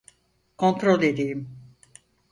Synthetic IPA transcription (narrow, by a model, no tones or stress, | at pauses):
kʰo̞nt̪ɾolʲed̪ijim